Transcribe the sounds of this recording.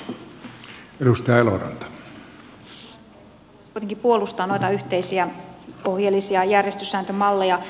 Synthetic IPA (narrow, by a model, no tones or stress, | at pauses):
edust̪ɑjɑelo̰rɑ̰nt̪ɑ̥ | kujt̪eŋkipuo̞lust̪ɑːno̞jt̪ɑyht̪eisiæo̞hjelːisiɑjærjest̪ysːæːnt̪ømɑlːejɑ